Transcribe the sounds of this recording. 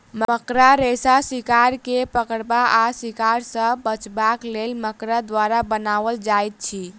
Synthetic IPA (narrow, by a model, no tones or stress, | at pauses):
mməkɾaɾesasikaɾkepəkəɽbaasikaɾsə̃bət͡ʃbaklelməkɾad̪waɾabənaβəld͡ʒajt̪̚t͡ʃʰi